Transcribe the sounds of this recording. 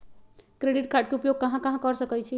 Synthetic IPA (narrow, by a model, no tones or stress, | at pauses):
kɾeɖiʈ̚kʰaʈ̚keupjoɡ̚kɐɦãkɐɦãkəɾsəkɛt͡ʃʰi